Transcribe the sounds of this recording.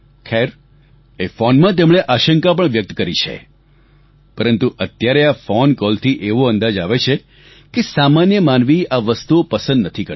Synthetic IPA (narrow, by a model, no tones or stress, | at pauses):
kʰɛɾ | efɔnmãt̪emɳ̃eʔaʃəŋkap̬əɳʋjək̚t̪kəɾit͡ʃʰḛ | pəɾənt̪uʔət̪jaɾeafɔnkɔlt̪ʰiʔeʋoə̃nd̪ad͡ʒaʋet͡ʃʰe | kesamanjəmanʋiaʋəst̪uopəsənd̪nət̪ʰikə